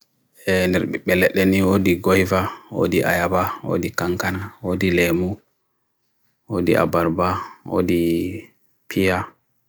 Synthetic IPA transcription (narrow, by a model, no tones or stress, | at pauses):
ɛndɛɾɓɛɓɛlɛɗɛniwodiɡojvawo̰diʔa̰jabawo̰dikaŋkanawodilemu | wodḭʔa̰baɾbawo̰di | pʰija